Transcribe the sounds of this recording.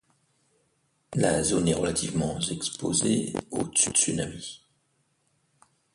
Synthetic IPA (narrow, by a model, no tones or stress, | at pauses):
lazonɛʁəlat̪ʰivmɑ̃zɛkspozḛod̪əsyd̪əsynami